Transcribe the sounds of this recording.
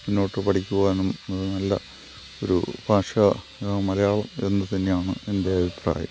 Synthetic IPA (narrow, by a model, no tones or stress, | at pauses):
minːo̞ːʈːɨpɐʈʰikʲːuɣɐenːɐmnːɐðɨnɐlːɐ̰ | oɾṵb̥ʱaːʂɐ | mɐlɐjaːɭɐme̞nːɨt̪ɐnːejaːɳɨende̞ɐbʱipra̰ːjɐ̰m